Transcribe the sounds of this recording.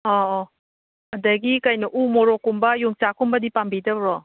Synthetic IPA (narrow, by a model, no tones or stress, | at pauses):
ɔ | ɐdɐɡikɐjnɐʔumɔɾokumbɐjuŋt͡ʃakumbɐdipambidɐbɾɔ